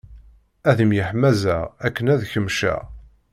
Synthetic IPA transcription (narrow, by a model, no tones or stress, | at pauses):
æðəmjəħmæzæʁækːənæðçəmʃæ̰ʁ